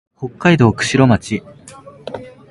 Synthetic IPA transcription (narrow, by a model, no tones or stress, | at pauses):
ho̞kːaid̪o̞ːkɯ̟̥ɕiɾo̞mat͡ɕi